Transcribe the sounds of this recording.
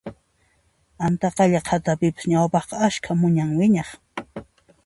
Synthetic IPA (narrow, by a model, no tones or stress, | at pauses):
ant̪ɑqɑʎɑqʰat̪apɪpḁsɲawpɑχqɑaʃkʰamʊɲaŋwɪɲɑχ